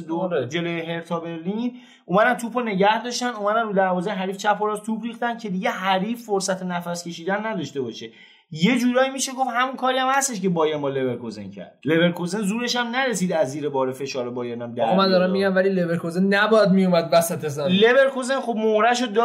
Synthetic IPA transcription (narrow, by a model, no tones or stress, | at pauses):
d̪od͡ʒe̞lojeɦe̞ɾt̪ʰɒːbe̞ɾli | umæd̪ænt̪ʰuːpʰone̞ɟæhd̪ɒːʃt̪ænumæd̪ænɾuːd̪æɾvɒːzejeɦæɾiːft͡ʃʰæpʰːoɾɒːzt̪ʰuːpʰriːxt̪ænd̪̚cʰe̞d̪iɟe̞ɦæɾiːfːoɾsæt̪ʰenæfæskʲʰe̞ʃiːd̪ænːæd̪ɒʃt̪e̞bɒʃe̞ | je̞d͡ʒuːɾɒːjimiʃe̞ɡofhæmunkʰɒːɾijæmhæst̪e̞ʃce̞bɒːjænbɒle̞βe̞ɾkʰozḛncʰæ̰ɾd̪̥le̞βe̞ɾkʰozenzuːɾe̞ʃæmnæɾesiːd̪æzːiːɾebɒːɾefe̞ʃɒːɾebɒːjɒːnæmd̪æɾmænd̪ɒːɾamːiɡæmvælilebeɾkozenːæbɒjæd̪̚mijomæd̪væsæt̪ʰesɛleβe̞ɾkʰozenχo̞b̚mohɾæʃod̪